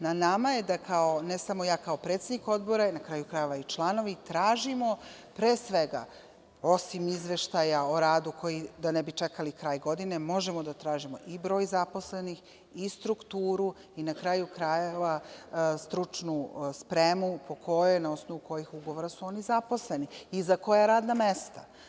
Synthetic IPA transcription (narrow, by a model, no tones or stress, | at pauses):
nanamajed̪akaonesamo̞jaːkao̞pɾe̞ːt̪sed̪niko̞d̪bo̞ɾanakɾaːjukɾajeʋait͡ʃlˠano̞ʋit̪ɾaːʒimo̞ | pɾeːsʋe̞ɡa̰ | o̞simizʋe̞ʃt̪ajao̞ɾaːd̪ukʰo̞jid̪anebit͡ʃekalikɾaːjɡo̞d̪ine̞mo̞ʒemo̞d̪at̪ɾaːʒimo̞̰ʔibɾo̞ːjzapo̞slenix | ist̪ɾukt̪uːɾu | inakɾaːjukɾajeʋast̪ɾut͡ʂnuspɾemupʰo̞kʰo̞jenao̞snoʋuko̞jixuɡo̞ʋoɾasuo̞ːnizapo̞sleniːzako̞jaɾaːd̪namest̪a